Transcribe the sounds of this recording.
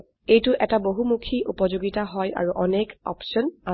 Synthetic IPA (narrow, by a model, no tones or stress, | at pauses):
ejtʊʔɛtaboɦumukʰiʔupɔzoɡitaɦɔja̰ɹuʔɔnekɔ̰pʃɔna